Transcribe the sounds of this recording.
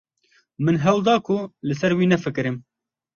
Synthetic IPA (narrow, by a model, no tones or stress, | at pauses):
mɨnɦɛwd̪ɑːkʰʊlɨsɛɾwiːnɛfɨkɨɾɨm